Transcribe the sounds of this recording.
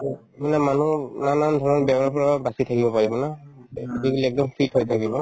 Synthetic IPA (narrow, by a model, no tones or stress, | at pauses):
manamanunanandʱɔnɔɹbjɛbɔnɔpʰɔɹabasitʰakibɔpaɹibɔnadiɡuliɛk̚dɔmpʰithojtʰakibɔ